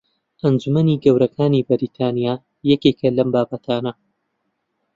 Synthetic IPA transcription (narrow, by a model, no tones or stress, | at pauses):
ʔɐnd͡ʒumɐniːɡɐwɾɐkʰaːnibɐɾiːt̪ʰaːnijaː | jɛkeːkʰɐlɐmbaːbɐt̪ʰaːnɐ